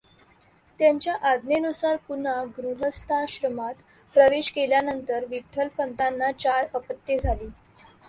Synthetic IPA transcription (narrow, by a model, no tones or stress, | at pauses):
t̪jaɲt͡ɕjaʔad̪ʱnenusaɾpunaɡɾuɦəst̪ʰaɕɾəmat̪ | pɾəʋeɕkeljanənt̪əɾʋik̚ʈʰəlpənt̪anːat͡ɕaɾəpət̪ːed͡zʱaliː